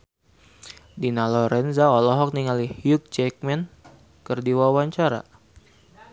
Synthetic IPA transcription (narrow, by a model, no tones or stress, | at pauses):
dinalɔɾɛnzaɔlɔɦɔk̚niŋalihjuk̚d͡ʒɛk̚mɛn | kərdiwawaɲt͡ʃaɾa̰